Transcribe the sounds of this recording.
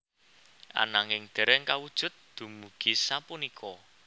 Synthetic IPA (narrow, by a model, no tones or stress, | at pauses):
ʔa̰naŋɪŋd̪̥ɛ̤ɾɛŋkawud̥ʒ̥ʊ̤t̪̚d̪̥ṳmuɡ̥i̤sapunikʰɔ